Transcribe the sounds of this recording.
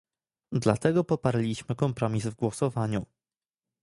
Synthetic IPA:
d̪lat̪ɛɡɔpɔpaɾlʲiɕmɘkɔmpɾɔmʲizvɡwɔsɔvaɲu

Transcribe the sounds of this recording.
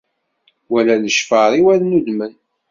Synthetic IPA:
wælæləʃfəɾˤiwæɾnud̪mən

